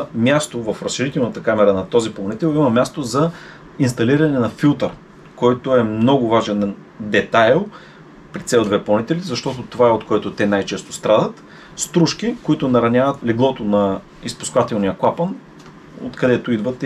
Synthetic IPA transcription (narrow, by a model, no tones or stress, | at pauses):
mʲjast̪ovɐfɾɐsʃiɾit̪ɛlˠnɐt̪əkamɛɾɐnɐt̪ɔziplˠɐnit̪ɛlˠimɐmʲjast̪ozɐ | inst̪ɐliɾɐnɛnɐfilˠt̪əɾ | kɔjt̪oɛmnnɔɡʊvaʒɛn | d̪ɛt̪ajlˠ | pɾit̪sɛd̪vɛplˠɐnit̪ɛlizɐʃt̪ɔt̪ot̪ovaɛot̪koɛt̪ot̪ɛnajt͡ʃɛst̪o̥st̪ɾad̪ət̪ | st̪ɾuʃk̟ikoit̪ʊnɐɾɐnʲavɐt̪liɡlˠɔt̪onɐ | ispʊ̥skvat̪ɛlˠnijəklˠapən | o̰t̪kɐd̪ɛt̪oid̪vɐt̪